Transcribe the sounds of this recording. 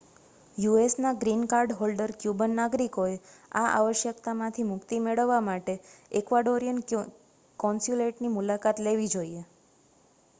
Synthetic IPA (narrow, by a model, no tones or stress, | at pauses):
juesnaɡɾinkaɾɖɦolɖəɾkjubənːaɡɾikoeaʔa̰ʋəʃjəkt̪amãt̪ʰimʊkt̪imeɭəʋːamaʈeekʋaɖoɾijən | kɔ̃nsuleʈnimulakat̪leʋid͡ʒoie